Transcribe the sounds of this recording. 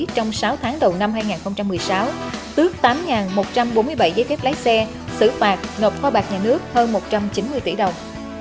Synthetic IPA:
t͡ɕɔ˧wŋ͡msaː˨˦wt̪ʰaː˨˦ŋɗə˨˩wna˧mɦaː˧jŋaː˨˩nxə˧wŋ͡mt͡ɕa˧mːɨ˨˩əjsaː˨˦wt̪ɨ˦˥ək̚t̪aː˨˦mŋaː˨˩nmo˨˩t̚t͡ɕa˧mɓo˨˦nmɨ˧əjɓa̰˧˩jzəː˧˨˦jkɛː˦˥p̚laː˨˦jsɛ˧ | sɨ̰˧˩faː˨˩t̚no˨˩p̚xwɔː˧ɓaː˨˩k̚ɲaː˨˩nɨ˦˥ək̚həː˧nmo˨˩t̚t͡ɕa˧mt͡ɕi˨˦nmɨ˧jt̪ḭ˧˩ɗə˨˩wŋ͡m

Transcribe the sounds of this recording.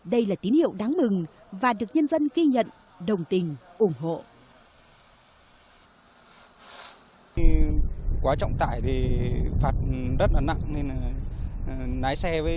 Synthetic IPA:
ɗə˧jlaː˨˩t̪i˨˦nhḭ˧˨ə˨wɗa˨˦ŋmɨ˨˩ŋ | vaː˨˩ɗɨ˨˩ək̚ɲə˧nzə˧nɣi˧ɲə̰˧˨n | ɗə˨˩wŋ͡mt̪ï˨˩ŋ̟ʔʊ˧˩ŋ͡mɦo̰˧˨ | kwaː˨˦t͡ɕɔ̰˧˨wŋ͡mt̪a̰ː˧˩jt̪ʰi˨˩faː˨˩t̚zə˦˥t̚laː˨˩na̰˧˨ŋne˧n˨˩ | naː˨˦jsɛ˧vəː˨˦

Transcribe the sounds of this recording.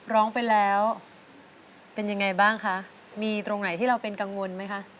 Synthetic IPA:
ɾɔː˦˥ŋpa˧jlɛː˦˥w | pe˧nja˧ŋːa˧jbaː˥˩ŋkʰa˦˥ʔ | miː˧t̪ɾo˧ŋna˨˩˦jt̪ʰiː˥˩ɾa˧wpe˧nka˧ŋwo˧nma˦˥jkʰa˦˥ʔ

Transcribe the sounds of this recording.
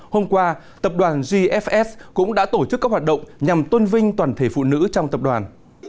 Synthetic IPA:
ho˧mkwaː˧ | t̪ə˨˩p̚ɗwaː˨˩nzi˧ʔɛ˦˥fʔɛ˦˥skʊ̰˧˥ŋ͡mɗa̰ː˧˥t̪o˧˩t͡ɕɨ˦˥kːaː˦˥k̚hwaː˨˩t̚ɗə̰˧˨wŋ͡mɲa˨˩mt̪wə˧nvï˧ŋ̟t̪waː˨˩nt̪ʰe˧˩fṵ˧˨nɨ̰˧˥t͡ɕɔ˧wŋ͡mt̪ə˨˩p̚ɗwaː˨˩n

